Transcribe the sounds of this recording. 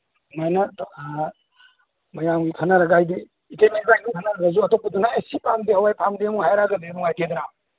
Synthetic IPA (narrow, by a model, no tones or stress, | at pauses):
majnɐ | mɐjamɡikʰɐnɐɾɐɡajdiː | kejmibajɡikʰɐnɐɾɐɡazuɐtopːɐdunaesipʰamdihɐwajpʰamdimuɦajɾaɡɐdenuŋajtʰed̪ɾa